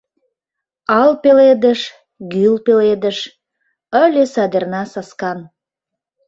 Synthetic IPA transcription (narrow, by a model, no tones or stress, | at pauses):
ɑlpeled̪əʃ | ɡylpeled̪əʃ | əlʲesɑd̪ernɑsɑskɑn